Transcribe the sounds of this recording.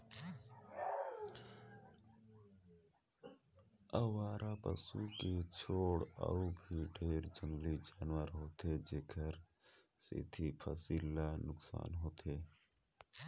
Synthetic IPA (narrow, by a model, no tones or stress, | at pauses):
əʋaːɾapə̰suket͡ʃʰoːɽə̰ubʱiɖʱeːɾd͡ʒənlid͡ʒaːnwəɾɦoːt̪ed͡ʒeːkʰəɾ | sɪ̰t̪ʰipʰəsiːlːanʊksa̰ːnɦoːt̪ʰeː